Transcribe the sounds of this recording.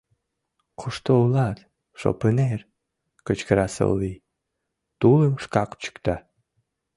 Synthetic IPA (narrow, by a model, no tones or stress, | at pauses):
qʰuʂt̪oulat̪ | ʃo̰pɨner | kət͡ʃkəɾasə̰lˠːi | t̪ulˠəmʂkaqt͡ɕɨ̥kt̪a